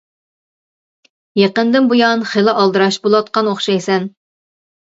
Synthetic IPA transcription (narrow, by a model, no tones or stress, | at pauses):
jeqənd̪ɪnbujɑnχelɪʔɑlˠd̪ɨɾɑʃbolˠɑt̪̚qɑnoχʃɛjsɛn